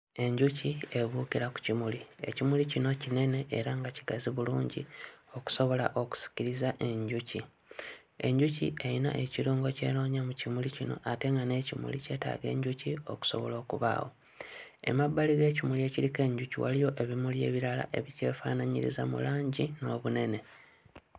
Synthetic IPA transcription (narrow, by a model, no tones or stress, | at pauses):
e̞ɲɟucie̞βukiɾaku̥cimulie̞̰cimulicino̞cine̞ne̞ʔːɾaŋɡaci̥ɡaziβuluːɲɟḭo̞ku̥so̞βo̞laʔo̞ku̥si̥ciɾizaʔe̞ɲɟuci | e̞̰ɲɟucḭʔejina̰ʔeciɾuːŋɡo̞ce̞̰ːno̞ːɲamucimulicino̞̰ʔate̞ŋɡane̞ːcimṵlice̞ːta̰ːɡe̞̰ːɲɟucio̞ku̥so̞̰βo̞̰lo̞ːkuβa̰ːwo̞̰ | e̞̰mabːaliɡe̞ːcimulie̞cilike̞ːɲɟuciwa̰lijo̞ʔe̞βimulje̞̰ːβiɾala̰ʔe̞βice̞̰ːfa̰ːnaɲḭɾḭzamṵlaːɲɟino̞ːβune̞ne̞